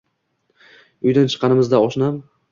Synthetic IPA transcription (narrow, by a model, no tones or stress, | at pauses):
ʊjd̪ant͡ʃʰɨ̥qʰːɑnɪmɪzd̪aɒʃnam